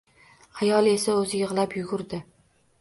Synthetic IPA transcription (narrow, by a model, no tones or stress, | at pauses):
ajɒlˠe̞saɵzɪjɨʁlˠapjʊɡʊɾd̪ɪ